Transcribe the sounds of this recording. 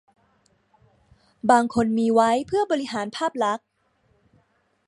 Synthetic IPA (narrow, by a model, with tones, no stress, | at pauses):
baː˧ŋkʰo˧nmiː˧wa˦˥jpʰɯ˥˩əbɔː˧ɾi˦˥ɦaː˩˦npʰaː˥˩p̚la˦˥k̚